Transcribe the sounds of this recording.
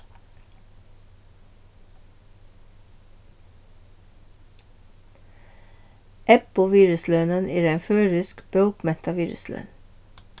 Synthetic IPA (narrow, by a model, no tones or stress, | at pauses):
ʔɛpʊʋiːɹʉslœːnəneːɾeːnføːɹʉskb̥œʊkmɛt̪ɑʋiːɹʉ̰slœ̰ːn